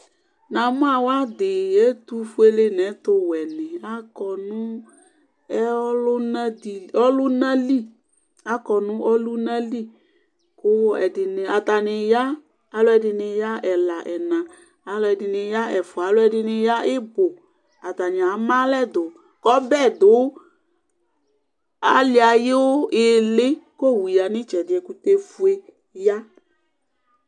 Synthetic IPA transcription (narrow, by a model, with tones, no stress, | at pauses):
nã˨mʊ̃˦a˨wa˦dɪ˨ɛ˦tu˦fu˦e˦le˦nɛ˨˦tʊ˧wɛ˨nɪ˨a˦kɔ˨nʊ̃˦ | ɛ˦lʊ˦na˦di˨ɔ˦lʊ˦nã˦li˦˨ | a˦kɔ˨nʊ̃˦ʔɔ˦lu˦nã˦li˦ | kʊ˦ɛ̰˨dɪ˨nɪ˨a˨t̪a˨nɪ˨ja˦ | a˨˦lʊ˦ɛ˧˨dɪ˧nɪ˧ja˦ɛ˨la˨ʔɛ˨nã˨ | a˨˦lɔ˧˦ɛ˧dɪ˧nɪ˧ja˦ɛ˨fʊ˨a˨˦lʊ˦ɛ˧dɪ˧nɪ˧ja˦ɪ˦bo˨ | a˨t̪a˨nɪ˨a˨˦mã˦lɛ˦˨dʊ˨ | kɔ˦bɛ˦˨d̪ʊ˨˦ | a˨˦lɪ˦a˨je˦wʊ˦ɪ˨lɪ˦ko˦˨wi˨ja˨nɪ̃˦t͡ʃɛ˨dɪ˨ɛ˨ku˧te˧fu˦e˧ | ja˦